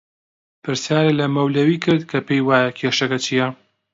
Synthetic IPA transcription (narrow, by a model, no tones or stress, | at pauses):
pʰɨɾsjaːɾelɐmɐwlɐwiːkʰɨɾd̪̚kʰɐpejwaːjɐkʲʰeʃɐkɐt͡ʃʰijɐ